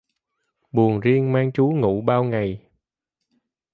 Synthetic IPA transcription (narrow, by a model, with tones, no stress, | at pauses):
ɓu˨˩əŋzi˧əŋmaː˧ŋt͡ɕu˨˦ŋṵ˧˩ɓaː˧wŋa˨˩j